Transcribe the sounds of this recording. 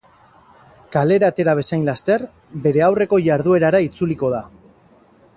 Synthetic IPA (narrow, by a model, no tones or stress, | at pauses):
kale̞ɾaːt̪e̞ɾaβ̞e̞sajnlast̪e̞r | be̞ɾe̞awre̞ko̞ʝaɾðue̞ɾaɾait͡suliko̞ð̞a